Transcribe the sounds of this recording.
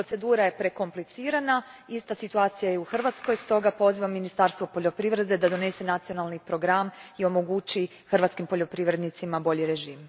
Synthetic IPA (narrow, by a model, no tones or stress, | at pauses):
pɾo̞t̪se̞d̪uːɾaje̞pɾe̞ko̞mplit̪siːɾanaist̪asit̪uaːt̪sijajeuxr̩ʋat̪sko̞jst̪o̞ɡapo̞ziʋamːinist̪aɾst̪ʋopo̞ʎo̞pɾiʋɾe̞d̪e̞d̪ad̪o̞ne̞se̞nat̪sionalˠnipɾo̞ɡɾamio̞mo̞ɡut͡ʃi | xrʋat̪skimpo̞ʎo̞pɾiʋɾe̞d̪nit̪simabo̞ʎiɾe̞ʒiːm